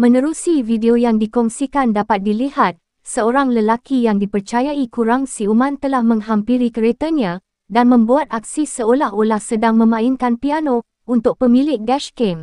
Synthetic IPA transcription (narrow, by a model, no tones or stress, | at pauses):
mə̃nə̃ɾusivideojaŋdikɔŋsikandapat̪̚dilihat̪̚ | səoɾaŋləlakijaŋdipərt͡ʃajaikuɾaŋsiumãnt̪əlahmə̃ŋɦampiɾikəɾet̪əɲã | danmə̃mbuat̪̚ak̚sisəolaholahsədaŋmə̃mãɪnkanpiano | unt̪ʊk̚pəmĩlɪk̚ɡɛʃkem